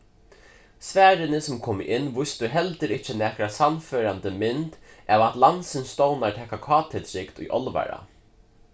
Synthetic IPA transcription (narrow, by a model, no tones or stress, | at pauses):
svæːɾɪnɪsɔmkʰɔːmɪ̰ʔɪnːʋʊjst̪ʊɦɛlt̪ɪɾɪht͡ʃːɪnæːkɾasanːføːɾant̪əmɪnt̪ | ʔɛːvat̪lansɪnst̪ɔwnaɹt̪ʰɛːkakʰɑːt̪ʰɪlɾɪkt̪ʊ̰jʔɔlʋa̰ɾa̰